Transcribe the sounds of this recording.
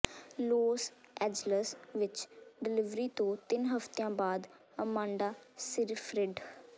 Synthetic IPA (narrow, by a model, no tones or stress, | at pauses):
loːsɛːd͡ʒləsʋɪt͡ʃɖɪlɪʋɾiːt̪õːt̪ɪnɦəft̪ejãːbaːd̪ | əmãːɳɖaːsɪɾfʰɾɪɖ